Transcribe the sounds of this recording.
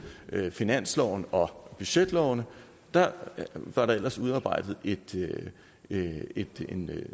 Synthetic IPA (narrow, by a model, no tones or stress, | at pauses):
finæn̰slɒʊnəʔɒ̽b̥yɕed̥lɒʊ̰nə | d̥ɑ̈ʋɑ̈ɾɑ̈el̰ɐsuð̞ˠɑ̈ːb̥ɑ̈ɪ̰d̥ð̞̩ˠe̝d̥ | ed̥en